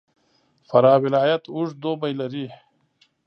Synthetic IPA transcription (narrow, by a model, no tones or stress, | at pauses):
fɐɾaːwɪlaːjɐt̪uʐd̪oːbɐjlɐɾi